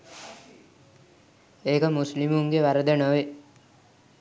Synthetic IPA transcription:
eːkəmuslimuŋɡeʋaɾəd̪enəʋe

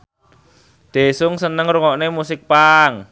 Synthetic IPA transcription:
d̪̥e̤sʊŋsənəŋruŋɔʔnemusɪk̚paŋ

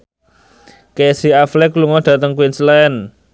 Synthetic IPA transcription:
kesiaflɛkluŋɔɖ̪̥ä̤t̪əŋkuɪnslaɛn

